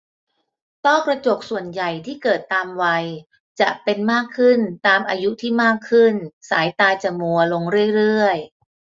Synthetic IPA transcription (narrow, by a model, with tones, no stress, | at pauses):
t̪ɔː˥˩kɾa˧t͡ɕo˨˩k̚su˨˩ənja˨˩jt̪ʰiː˥˩kɤː˨˩t̪ːaː˧mwa˧j | t͡ɕa˨˩ʔpe˧nmaː˥˩kʰːɯ˥˩nt̪aː˧mʔaː˧ju˦˥t̪ʰiː˥˩maː˥˩kʰːɯ˥˩nsaː˩˦jt̪aː˧t͡ɕa˨˩mu˧ɐlo˧ŋɾɯ˥˩əjɾɯ˥˩əj